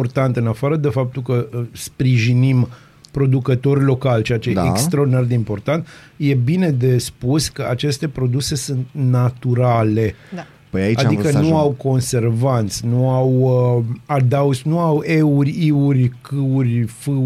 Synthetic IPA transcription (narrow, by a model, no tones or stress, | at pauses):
ort̪ant̪ɨnafaɾəd̪e̞fap̚t̪ulkəspɾiʒinim | pɾo̞d̪ukət̪o̞rʲlo̞kalt͡ʃeat͡ʃeaḛkst̪ɾaord̪inard̪eimpo̞rt̪ant̪ | je̞bine̞d̪e̞spuskəat͡ʃe̞st̪e̞pɾo̞d̪use̞sunt̪nat̪uɾale̞ | pəjaiaaikənuawko̞nse̞rvant̪sʲnuaw | ad̪awsnuawe̞urʲiurʲkɨurʲfɨ